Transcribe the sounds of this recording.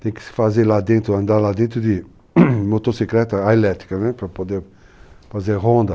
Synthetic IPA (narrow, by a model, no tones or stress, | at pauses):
t̪ɛ̃j̃kɪ̥sɪ̥fazeɾlad̪ẽnt̪ɾuɐ̃nd̪aɾlad̪ẽnt̪ɾud̪i | mot̪osikɾɛt̪ɐajlɛt̪i̥kɐnɛpɾɐpod̪eɾ | fazeɾɦõnd̪ɐ